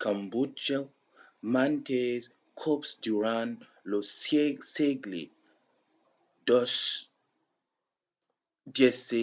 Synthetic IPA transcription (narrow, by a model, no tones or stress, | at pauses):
kʰambud͡ʒɐ | mantʰez | kʰopsduɾan | loseɡlḭ | dɔs | dɛse